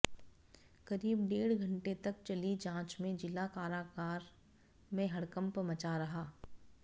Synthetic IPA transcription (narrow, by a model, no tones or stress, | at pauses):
kɐɾiːbɖeːɽ̤ɡʱɐ̃ɳʈet̪ɐk̚t͡ʃɐlid͡ʒãːt͡ʃmẽd͡ʒɪlakaːɾaːkaːɾ | mẽɦɐɽkə̃mpmɐt͡ʃaɾɐɦaː